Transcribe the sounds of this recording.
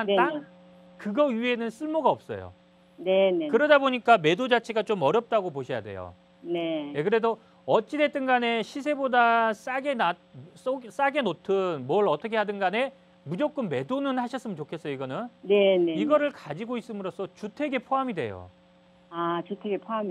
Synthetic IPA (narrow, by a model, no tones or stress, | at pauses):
ana | kɯɡʌɥie̞nɯns͈ɯɭmoɡaʌp̚s͈ʌ̰jo̰ | ne̞nekɯɾʌdaboɲik͈ame̞dod͡ʑat͡ɕʰeɡat͡ɕomʌɾjʌp̚t͈aɡopoɕʰʌja̰dwe̞̰jo̰ | ne̞jekɯɾe̞do | ʌt͡ɕ͈ide̞t͈ɯnɡane̞ɕʰis̬ʰe̞bodas͈aɡenas͈os͈aɡe̞notʰɯnmwʌɭʌt͈ʰʌkʰe̞ɦadɯnɡane̞ | mud͡ʑok͈ɯnme̞donɯnhaɕʰʌs͈ɯmɯnt͡ɕokʰe̞s͈ʌjoiɡʌnɯnneneiɡʌɾɯɭkad͡ʑiɡois͈ɯmɯɾos͈ʰʌt͡ɕutʰe̞ɡe̞pʰoɦamidwe̞̰jo̰ | at͡ɕutʰeɡepʰoam